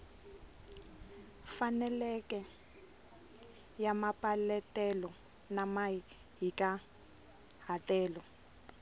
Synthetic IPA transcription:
fanɛlɛkʼɛ | jamapʼalɛtʼɛlɔ | nama | ɦikʼa | ɦatʼɛːlɔ

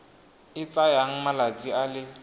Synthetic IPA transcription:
ɪt͡sʼajaŋ̩malat͡sʼialɪ

